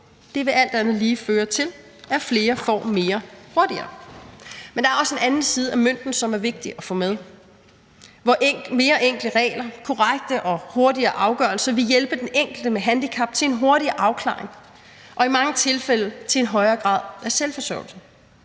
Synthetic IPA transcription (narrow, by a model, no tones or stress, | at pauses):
d̥e̝ʋe̝ʔæl̰d̥ænð̩ˠliːføːɐt͡sʰe̝l | æfle̝ːɐfɒ̰ːme̝ːɐho̝ɐd̥iɐ̰ː | mend̥ɑæɐɒ̽se̝nænn̩siːð̞ˠæmøn̰d̥n̩sɒ̽mæɐʋe̝ɡ̥̚d̥iʔɒfɔ̰ːmeð̞ˠ | ʋɒʔme̝ːɐʔeŋ̰ɡ̥ld̥əʁɛ̰ːlɐkʰɒʁaɡ̥̚d̥əʔɒ̽ho̝ɐdiɐːʔɑ̈ʊɡ̥œɐlsɐʋe̝jelb̥əd̥eneŋ̰ɡ̥l̩d̥əmeɦænd̥ikʰɑb̥̚t͡sʰe̝enɦo̝ɐɾiɐʔɑ̈ʊkʰlɑ̰̈ːe̝ŋ | ʔɒ̽imɑ̈ŋət͡sʰe̝lfel̰ət͡sʰe̝e̝nɦɒ̽ɪɐːɡ̥ʁɑ̰̈ːð̰ˠʔæɐselfɒ̽sɒ̰ʊl̩sə